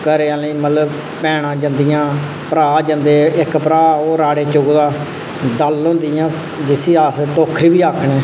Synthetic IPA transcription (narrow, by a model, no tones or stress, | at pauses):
kəɾeːaːliːmət̪ləb | pɛːɽãːd͡ʒə̃nd̪ijãː | pəɾaːd͡ʒə̃nd̪eːɪkpəɾaːoːɾaːɽeːt͡ʃʊɡd̪aː | ɖaːlːõːnd̪ijãː | d͡ʒɪsiːaːsʈ̪oːkʰːɾiːbiːaːkʰɳeː